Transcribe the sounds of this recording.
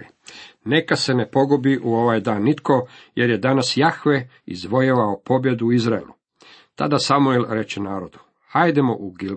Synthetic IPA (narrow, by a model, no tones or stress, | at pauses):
ne̞kase̞ne̞po̞ɡobiʔuo̞ʋaːjd̪aːnːit̪ko̞je̞ɾje̞d̪anasjaxʋe | ḭzʋo̞jeʋaopo̞bje̞d̪uizɾaḛlṵ | t̪a̰d̪asamuelɾe̞t͡ʃenaːɾo̞d̪u̥ | hajd̪emoʔuɡil